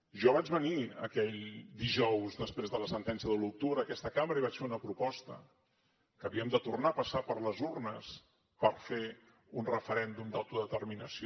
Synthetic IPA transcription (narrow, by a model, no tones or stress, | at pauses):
ʒɔβad͡ʒβəniə̰kɛʎd̪iʒɔwzðəspɾezðələsənt̪ɛnsjəðəluw̚t̪uβɾəːkɛst̪əkambɾəiβat͡ʃfeunəpɾupɔst̪ə̰ | kəβiəmd̪ət̪urnaəpəsapəɾləzurnəs | pəɾfe | unrəfəɾɛnd̪umd̪awt̪uðət̪ərminəsi